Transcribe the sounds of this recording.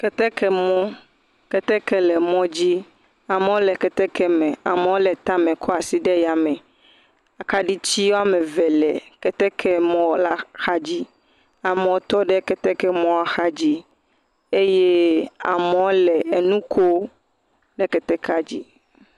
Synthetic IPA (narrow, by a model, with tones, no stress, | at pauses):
kɛ˨t̪ɛ˦kʰɛ˨mɔ̃˦ | kɛ˦t̪ɛ˦kɛ˦lɛ˨mɔ̃˦d͡ʑi˦ | a˨mẽ˦wo˦lɛ˨kɛ˨t̪ɛ˦kʰɛ˦mɛ̃˨a˨mẽ˦wo˦lɛ˨t̪a˦mɛ̃˨kʰɔ˦a˨si˦ɖɛ˦ja˨mɛ̃˨ | a˨ka˦ɖi˦t͡ɕi˦wo˦a˦mɛ̃˨vɛ˨lɛ̰˨kɛ˨t̪ɛ˦kʰɛ˦mɔ̃˦la˦xa˦d͡ʑi˦ | a˨me˨wo˦t̪ɔ˦ɖɛ˦kɛ˦t̪ɛ˦kɛ˦mɔ̃˦a˨xa˦d͡ʑi˦ | e˦jɛ˦a̰˨mẽ˨wo˦lɛ˨ɛ˨nũ˦ko˦ | nɛ˨kɛ˨t̪ɛ˦ka˨d͡ʑi˦